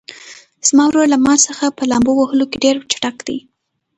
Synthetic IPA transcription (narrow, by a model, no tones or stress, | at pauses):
z̥mɑwɾoɾlamɑsəxapəlɑmbowahəlokeɖeɾt͡ʃḁʈakd̪̥ḭj